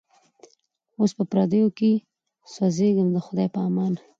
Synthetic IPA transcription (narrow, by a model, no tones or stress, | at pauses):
ospəpɾɑd̪əjoke | sazeɡəmd̪əxʊd̪ɑjpəɑmɑn